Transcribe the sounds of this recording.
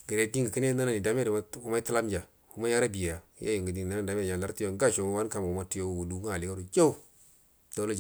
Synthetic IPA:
ɡə˨ɾe˨˦di˦ŋɡə˨ki˦ne˦na˦na˦ni˨da˦m˦e˦ɾm˦u˦ma˦i˦tu˦la˦m˦d͡ʒa˨ | hu˦ma˦ja˦ɾa˦bi˨ja˨ja˨˦ja̰˦ju˨ŋɡə˨di˨ŋ˨na˦na˦˨da˨me˦˨a˨la˦ɾti˦jo˦ŋ˦ɡa˦˨ʃo˨ma˦wa˦n˦ka˨m˨u˨ma˦tu˦jo˦wwu˨du˦ɡu˦a˨li˨ɡo˦ɾu˨d͡ʒa˦u˦ | d̥a˦la˦d͡ʒ

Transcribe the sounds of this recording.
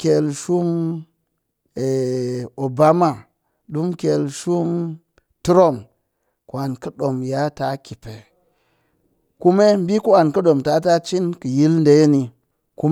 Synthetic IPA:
kʲe˨lʃu˦m | e˨o˨ba˦ma˨ | ɗu˦mkʲe˨lʃu˦m | tu˦ɾo˦˨m | ku˨a˨nkɐ˦ɗo˨mja˨˦ta˨˦kʲi˨pe˨ | ku˦me˦m˦bi˦ku˦a˨nkɐ˦ɗo˨mta˨˦ta˦t͡ʃi˦nkə˨ji˦lnde˨je˦ni˨ | ku˦m

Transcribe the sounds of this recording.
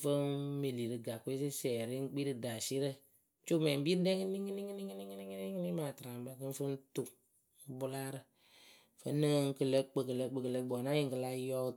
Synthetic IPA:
fə˦me˨li˨ɾɨ˨ɡa˨kʷe˦s̬i˦sɛː˨ɾi˦ŋ̩˦k͡pi˦ɾɨ˨da˨si˦ɾə˦ | t͡ʃo˦mɛ˨m˦bi˦ɾɨ˦dɛ˦ŋɨ˦ni˦ŋɨ˦ni˦ŋɨ˦ni˦ŋɨ˦ni˦ŋɨ˦ni˦ŋ˦ni˦ŋ˦ni˦maː˨tɨ˨ɾa˨m˦ba˦kɨ˦fə˦n˦tu˨˦ | bu˦la˦ɾɨ˨ | fə˦nə˦ŋ˦kə˨lə˦k͡pə˨kə˨lə˦k͡pə˨kə˨lə˦ɡ͡bɔ˨na˦ji˨ŋkɨ˨la˧˦jɔ˦

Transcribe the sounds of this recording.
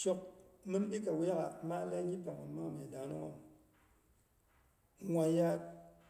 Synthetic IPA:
t͡ʃo˨k̚mɨ˦mɗi˦ka˨we˦ɣa˨ma˦la˦ɲi˦pa˨ŋa˨˦ma˦me˨da˨˦no˦ŋo˦˨m | ŋʷa˨ja˦

